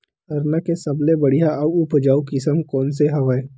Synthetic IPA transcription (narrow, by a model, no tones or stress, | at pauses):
ɐɾnakesɐblebɐɽijaɐʊpd͡ʒaːukɪsəmkɔːns̬eɦɐʋaːe